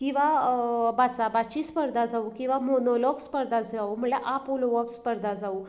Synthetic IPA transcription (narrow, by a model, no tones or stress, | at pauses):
kĩw̃ʋabat͡sabat͡ɕispəɾd̪ad͡zaukĩw̃ʋamonɔlɔɡspəɾd̪ʱad͡zd͡zaum̤əɭlaʔapoloʋɔɡspəɾd̪ʱad͡zau